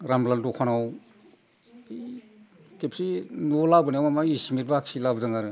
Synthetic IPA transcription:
ɾamlandɔkʰanaw | kepsinɔlabɯniawmamaismiɾbaksilabdɯŋaɾɯ

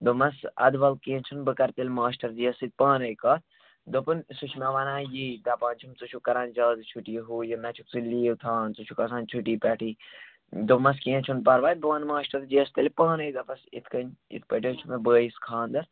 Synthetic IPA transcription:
d̪omɐsɐ̰d̪ʋɐlkĩt͡ʃʰunbɨkɐɾt̪ɐlʲmaːʃʈɐɾd͡ʒiɐsit̪̚paːnɐjkaːt̪ | d̪opɨnsut͡ʃʰmaʋɐnãːjid̪aːpaːnt͡ʃʰumt͡sut͡ʃʰukɐɾand͡ʒaːd̪t͡ʃʰuʈiɦuːjinɐt͡ʃʰuk̚suliːwt̪ʰaːnt͡sut͡ʃʰukɐsãːnt͡ʃʰuʈiːpʲɛːʈiː | d̪omɐs̬kĩːt͡ʃʰunpɐɾʋaːj̪̚bɨʋanmaːʃʈɐɾd͡ʒiɐst̪ɐlʲpaːnɐjd̪ɐpɐsḭt̪ʰkɐnḭt̪̚ʰpəʈʲjot͡ʃʰumebəːjiskʰaːnd̪ɐɾ

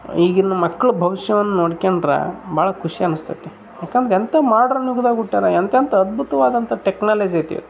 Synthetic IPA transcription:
iːɡinːumɐkːɐɭubʱɐʋiʂjɐʋɐnːunoːɽkeɳɖɾɐ̰bʱaːɭɐkʰuʂiɐnust̪ʰɐt̪ːe | jaːkɐnd̪ɾeent̪ɐmaːɾɖɐɾnjuɡud̪aːɡuʈːaːɾɐent̪ent̪ɐːd̪̚bʱut̪ɐʋaːd̪ɐnt̪ɐʈeknaːled͡ʒɐjt̪ḭʋḛ

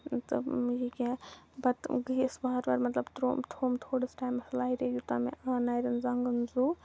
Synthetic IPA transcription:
t̪ɨ̰jikebɐt̪ɡisbaːɐtʋɐɾmɐt̪lɐbt̪ɾo̰mt̪ʰoːmt̪ʰoːɽəsʈaːjmːɐslaːiɾejut̪amḛanaːjɾɐnzɐŋɡənzu

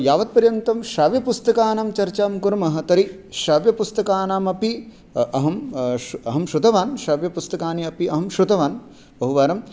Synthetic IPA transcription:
jaːʋɐt̪̚pɐɾjɐnt̪ɐmʃaːʋjɐpust̪ɐkaːnaːmt͡ʃɐɾt͡ʃaːmkuɾɐmɐɦɐ̆t̪ɐɾi | ʃaːʋjɐpust̪ɐkaːnaːmɐpi | ɐɦɐmɐɦɐmʃɾut̪ɐʋaːnʃaːʋjɐpust̪ɐkaːniɐpiɐɦɐmʃɾut̪ɐʋaːn | bɐɦuʋaːɾɐm

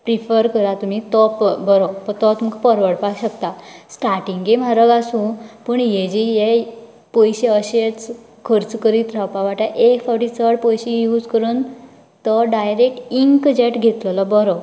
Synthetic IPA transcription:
pɾifəɾkəɾat̪um̤it̪ɔpbəɾɔt̪ɔt̪mukpəɾʋəɽpaɡɕəkt̪asʈaɾʈiŋɡem̤aɾəɡasũpəɳjed͡ʑijɛ | pojɕeəɕet͡s | kʰəɾt͡skəɾiːt̪ɾawpaʋaʈaʔekfʰɔɾʈit͡səɽpojɕijuːd͡zkəɾuːn | t̪ɔɖajɾek̚ʈiŋkd͡ʑeʈɡʱet̪ləlɔbɔɾɔ

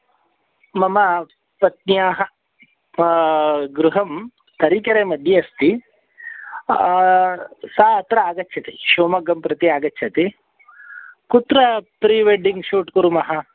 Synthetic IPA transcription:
mɐmɐ | pɐt̪̚njaːɦɐ | ɡɾuɦɐm | t̪ɐɾikɐɾeːmɐd̪ʱjɐɐst̪i | saːɐt̪ɾɐaːɡɐtːʃʰɐt̪iʃoːmɐɡɐmpɾɐt̪iaːɡɐtːt͡ʃʰɐt̪i | kut̪ɾɐpɾiːʋeɖiŋɡʃuːʈkuɾumɐɦɐ

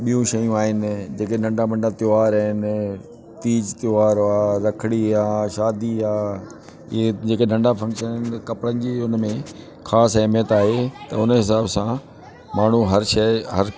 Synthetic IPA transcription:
ɓijũʃɐjũaːɦɪnɪ̆d͡ʑeːkenɐ̃ɳɖabɐ̃ɳɖat̪joaːɾaɦɪnɪ | t̪iːd͡ʑt̪joaːɾaːɾɐkʰɪɽ̃iaːʃaːd̪iaː | ɪ̰ɦed͡ʑeːkenɐ̃ɳɖafɐ̃ŋkʃənɪnɪkɐpɽənɪ̆d͡ʑiːʊnmẽ | xʰaːsɐmjət̪aːɦet̪ɐʊnɦɪs̬aːbsã | maːɳ̤uɦɐɾʃɐːɦɐɾ

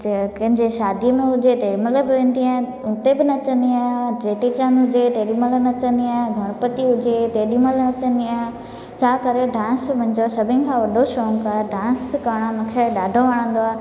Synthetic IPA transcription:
kɐ̃ɦɪ̃ɲd͡ʑeʃaːd̪iəmẽɦʊd͡ʑet̪eːmələbɪʋẽːn̆d̪iãː | ʊt̪ebɪnɐt͡ɕə̃nd̪iaːɦd͡ʑeːʈit͡ɕãnɦʊd͡ʑet̪eːɗiməlnɐt͡ɕə̃nd̪iaːɦɡʱɐɽ̃əpət̪iɦʊd͡ʑet̪eːɗiməlnɐt͡ɕə̃nd̪iaːɦɪ̃ | t͡ɕʰaːkɐɾeɖãːnsmɐ̃ɦɪ̃d͡ʑosɐbʱɪnɪ̆kʰãʋɐɖʱoʃɔːŋkaːeɖãːnskaːɽ̃ãmʊ̃kʰeɗaːɖʱoʋaːɽ̃ə̃n̆d̪oaː

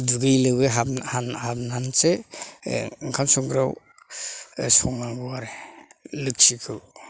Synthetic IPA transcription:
bɯɡɯjlɯbɯɦahanhab̚nanse | ɯŋkʰamsɔŋɡɾaw | sɔŋaŋɡuaɾelɯk̚sikʰɯw

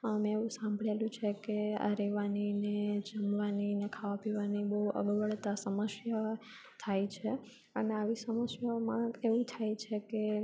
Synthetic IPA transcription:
əmẽeʋũsãmbʱɭelũt͡ʃʰekea̰ɾeʋanined͡ʒəmʋaninekʰaʋapiʋanibəɦuʔə̰ɡʋəɭt̪asəməsjə | t̪ʰajt͡ʃʰe | əneaʋisəməsjəmãeʋũt̪ʰajt͡ʃʰeke

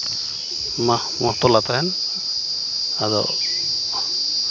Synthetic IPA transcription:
ma | mɔt̪ɔlat̪aɛn | azɔ̰

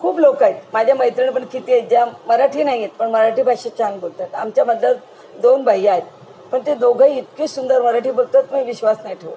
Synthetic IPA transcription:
kʰuːblokajt̪mad͡ʑʱjaməjt̪ɾəɳ̃p̬əɳkit̪iːed͡ʑaməɾaʈʰiːnaɦiet̪̚pəɳməɾaʈʰiːbʱaɕet͡ɕanbolt̪at̪amt͡ɕaməd̪lə | d̪onbʱajːaet̪ | pəɳt̪ed̪oɡʱəiit̪kisund̪əɾməɾaʈʰiːbəlt̪ət̪miːʋiɕʋasnaiʈʰeʋo

